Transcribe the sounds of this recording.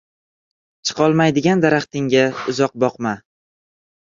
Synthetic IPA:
t͡ʃʰɨ̥qʰɒlˠmajd̪ɪɡʲand̪aɾaχt̪ɪŋʲaʊzɒq̚bɒqma

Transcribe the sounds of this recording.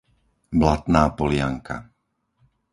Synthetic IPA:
blat̪naːpɔlɪaŋkʰa̰

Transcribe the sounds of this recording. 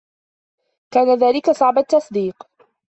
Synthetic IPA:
kaːnaðaːlɪkasˤɑʕbat̪ːɑsˤd̪iːq

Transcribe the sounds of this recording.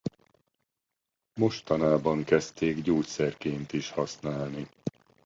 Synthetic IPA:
mo̞ʃt̪ɒnaːbɒŋkɛst̪eːɡɟoːcʲsɛrkeːnt̪iʃhɒsnaːlni

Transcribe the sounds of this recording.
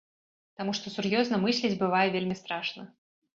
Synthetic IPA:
t̪amuʂt̪ɔsurjɔznɐmɨsʲlʲid͡zʲbɨvajɛvʲelʲmʲist̪ɾaʂnɐ

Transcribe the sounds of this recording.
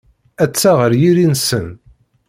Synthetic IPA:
æt͡sːaʁəɾjiɾinsən

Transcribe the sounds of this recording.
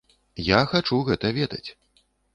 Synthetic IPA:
jaxat͡ʂuɣɛt̪ɐvʲɛd̪ɐt͡sʲ

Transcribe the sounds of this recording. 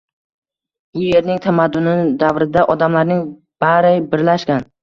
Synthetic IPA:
ʊje̞ɾnɪŋt̪ʰamad̪ːʊnɪd̪avɾɪd̪aʔɒd̪amlaɾnɪŋ | b̥aɾajbɪɾlaʃkʲan

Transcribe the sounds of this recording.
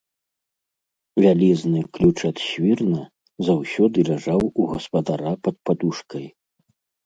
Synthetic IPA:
vʲalʲiznɨklʲut͡ʂɐt̪ɕvʲirnɐ | zawsʲɔd̪ɨlʲaʐawuɣɐspɐd̪aɾapɐt̪̚pad̪uʂkɐj

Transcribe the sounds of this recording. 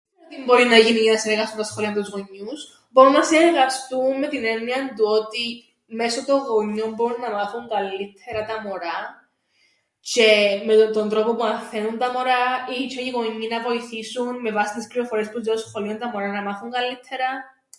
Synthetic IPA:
ot̪imbo̞ɾinɐʝinijinɐseɾɣɐst̪unt̪ɐsxo̞liɐnt̪uzɣo̞ɲːus | bo̞ɾunːɐseeɾɣɐst̪unme̞t̪ine̞niɐnd̪uo̞t̪i | me̞so̞t̪o̞ɣo̞ɲːo̞mbo̞ɾunːɐmɐθuŋɡɐlːit̪ʰe̞ɾɐt̪ɐmo̞ɾɐ | ce̞met̪o̞nd̪ɾo̞popuɐnθe̞nunt̪ɐmo̞ɾɐit͡ʃʰoiɣo̞ɲːinɐvo̞iθisunme̞vɐsit̪ispɾiofoɾie̞spuzeosxo̞liont̪ɐmo̞ɾɐnɐmɐθuŋɡɐlːit̪ʰːe̞ɾɐ

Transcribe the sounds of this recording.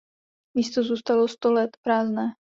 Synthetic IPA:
miːst̪ozuːst̪alost̪olɛt̪pɾaːznɛː

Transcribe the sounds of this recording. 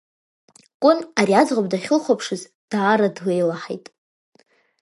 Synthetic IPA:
kʷʼʊnaɾiazʁʷab̚ʼdaχʲɪlχʷapʰʂɨz | d̥aːɾadlejlaħḛjtʼ

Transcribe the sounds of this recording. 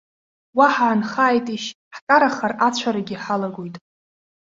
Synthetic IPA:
waħaːnχaːjtʼiʃ | ħkʼaɾaχarat͡ɕʷʰaɾaɡʲiħalaɡʷojtʼ

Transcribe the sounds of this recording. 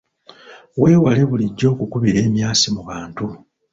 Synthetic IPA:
we̞ːwale̞βuliɟːo̞ːkukuβiɾe̞ːmjaːsimuβaːntu

